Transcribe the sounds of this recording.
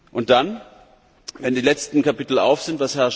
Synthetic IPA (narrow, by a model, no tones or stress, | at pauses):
ʔʊnt̚d̥an | vɛndiːlɛt͡stn̩kapɪtl̩a̰ʊfz̥ɪntvashɛɐʃ